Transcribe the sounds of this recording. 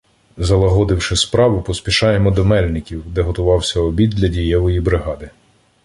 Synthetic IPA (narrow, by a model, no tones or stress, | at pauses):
zɐlˠɐɦɔd̪ɪwʃɪspɾɑʋʊpɔspʲiʃɑjemɔd̪ɔmɛlʲnɪkʲiwd̪ɛɦɔt̪ʊʋɑwsʲɐɔbʲid̪̚dʲlʲɐdʲijɛʋɔjibɾɪɦɑd̪ɪ